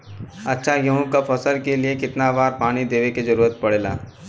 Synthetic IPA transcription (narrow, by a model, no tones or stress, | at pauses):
ɐtːʃʰajɐɦũkafʰɐsəlkeliekɪt̪naʋaːɾpaːñid̪eːʋeked͡ʒɐɾuːɾət̪̚pɐɽeːla̰ː